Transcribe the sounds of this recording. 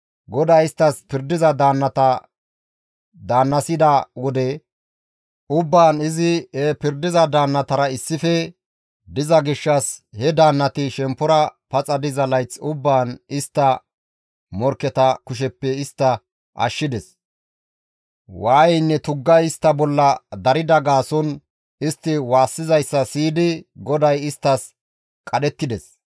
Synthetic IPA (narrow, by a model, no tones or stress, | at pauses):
ɡɔd̪aːɪst̪ːɐspɪɾd̪ɪzɐd̪aːnːɐt̪ɐ | d̪aːnːɐsɪd̪ɐwɔd̪ɛ | ʊbːaːnɪzɪhɛpɪɾd̪ɪzɐd̪aːnːɐt̪ɐɾɐɪsːɪfɛ | d̪ɪzɐɡɪʃːɐshɛd̪aːnːɐt̪ɪʃɛmpːɔɾɐpɐt͡sʼɐd̪ɪzɐlɐjt͡sːʊbːaːnɪst̪ːɐ | mɔɾkːɛt̪ɐkʊʃ̬ɛpːɛɪst̪ːɐ | ʔɐ̰ʃːɪd̪ɛs | waːjɛnːɛt̪ʊɡːɐjɪst̪ːɐbɔlːɐd̪ɐɾɪd̪ɐɡaːsɔn | ɪst̪ːɪwaːsːɪzɐjsːɐsiːd̪ɪɡɔd̪ɐjɪst̪ːɐs | kʼɐɗɛt̪ːɪd̪ɛs